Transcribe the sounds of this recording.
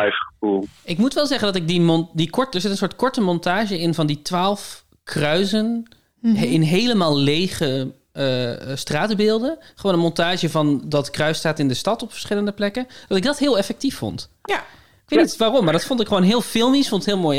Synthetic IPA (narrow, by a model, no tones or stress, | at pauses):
ɛjfχəvulˠɪkmutʋɛlˠzɛχəndɑtɪk̚dimɔndikɔtdəɹzɪtənsoːɹt̚kɔɹtəmɔntaːʒəɪnvɑnditʋaːlˠf | krœɥzən | ɪnɦejləmaːlˠlejχə | əstraːtbɪːlˠdəχəʋoːnənmɔntaːʒəvɑndɑtkrœɥstaːtɪndəstɑtɔpfə̥ɹsχɪləndəplɛkənd̥ɑtɪɡ̚dɑtɦɪːlˠɛfɛk̚tifːɔ̰nt | ɪkʋeːtnitʋaːrɔmːaɹdɑtfɔntɪkχʋownɦɪːlˠfɪlˠmisfɔ̃ntɪthɦɪːlˠmoːj